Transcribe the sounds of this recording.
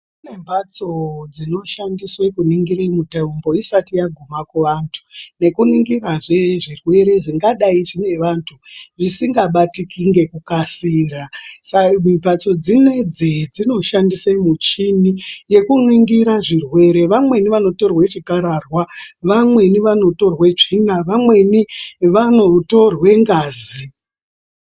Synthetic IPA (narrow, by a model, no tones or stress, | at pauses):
kune̞mbʱat͡so̞d͡zino̞ʃandiswekuniŋɡiɾemutaumbo̞isatijaɡʱumakweʋantʰu̥ne̞kuniŋɡiraʐe̞ʐirwe̞ɾe̞ʐiŋɡaɗaiʐine̞ʋantʰuʐisiŋɡaɓatikiŋɡe̞kukasiːrasamibʱat͡so̞d͡zined͡zed͡zino̞ʃandisemut͡ʃinije̞kuniŋɡiɾaʐirwe̞ɾe̞ʋamwe̞niʋano̞to̞rwet͡ʃikaɾarwaʋamwe̞niʋano̞to̞rwet͡ʂinaʋamwe̞niʋano̞to̞rwe̞ŋɡaːzi